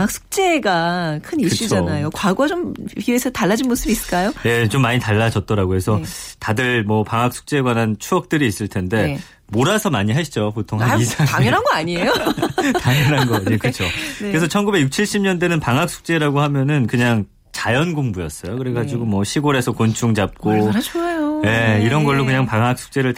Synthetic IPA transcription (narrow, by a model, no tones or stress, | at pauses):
ŋɦak̚s͈ʰu̥k̚t͡ɕ͈e̞ɡakʰɯniɕ͈id͡ʑanajokwaɡoat͡ɕomiesʰʌtaɭːad͡ʑinmos͈ʰɯbis͈ɯ̥ɭk͈ajojet͡ɕomːaɲitaɭːad͡ʑʌt̚t͈ʌɾaɡoɦe̞sʰʌtadɯɭmʌpaŋɦak̚s͈u̥k̚t͡ɕ͈e̞ɡwanɦant͡ɕʰuʌk̚t͈ɯɾiːs͈ɯɭtʰende̞ | moɾasʰʌmaɲiɦaɕʰid͡ʑopotʰoŋɦaisʰaɾaŋjʌnɦanɡʌaɲiejotaŋjʌnɦanɡʌekɯt͡ɕʰokɯɾe̞sʰʌt͡ɕʰʌnɡubejuk̚t͡ɕʰiɭɕ͈ʰimɲʌndenɯnpaŋɦak̚s͈ʰu̥k̚t͡ɕ͈e̞ɾaɡoɦamjʌnɯnkɯɲaŋ | t͡ɕajʌnɡoŋbujʌs͈ʌjokɯɾeɡad͡ʑiɡomwʌɕʰiɡoɾe̞sʰʌkont͡ɕʰuŋd͡ʑap̚k͈ooajoje̞iɾʌnɡʌɭːokɯɲaŋpaŋɦak̚s͈ʰu̥k̚t͡ɕ͈e̞ɾɯɭ